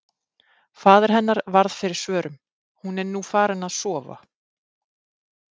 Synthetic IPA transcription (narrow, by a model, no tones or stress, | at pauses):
faːðɪɾ̥ɦɛnːaɾvaɾð̥fɪɾɪɾ̥svœːɾʏm | hunɛɾnuːfaːɾɪnaðsɔːva̰